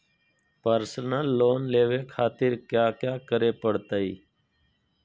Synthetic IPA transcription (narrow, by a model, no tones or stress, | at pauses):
pəɾsənəlːoːnleːʋeːkʰaːt̪ɪɾkjaːkjaːkəɾeːpəɽt̪aːḭː